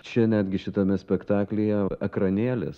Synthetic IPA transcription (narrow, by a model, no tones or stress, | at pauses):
t͡ʃʲɛnʲæːd̪ʲɡʲɪʃʲɪt̪ɐmʲɛsʲpʲɛkt̪ɑːklʲejɛɐkɾɐnʲeːlʲɪ̰s